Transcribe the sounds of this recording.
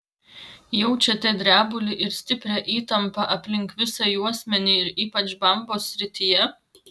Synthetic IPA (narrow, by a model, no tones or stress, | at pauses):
jɛʊt͡ʃʲɛt̪ʲɛd̪ʲɾʲæːbʊlʲɪʔɪɾsʲt̪ʲɪpʲɾʲɛʔiːt̪ɐmpɐʔɐpʲlʲɪŋˑkʋʲɪsɐjuɔsʲmʲɛnʲiɪɾiːpɐt͡ʃbɐmboːsʲːɾʲɪt̪ʲɪjɛ